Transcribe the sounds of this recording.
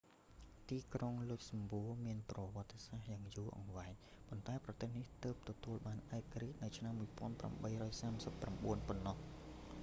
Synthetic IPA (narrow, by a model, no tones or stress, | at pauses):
t̪iːkroŋlʊc̚sɑmbuəmiənprɑʋɔ̆ət̪ːesahjaːŋjuəʔɑ̰ŋʋaɛɲ | pont̪aɛprɑt̪eːhniht̪əːp̚t̪ɔt̪uəlɓaːnʔaɛkriːc̪̚nɨwt͡ɕʰnamːuəjpŏənpra̰mɓəjrɔːjsaːmsəpːramɓuənponːɑh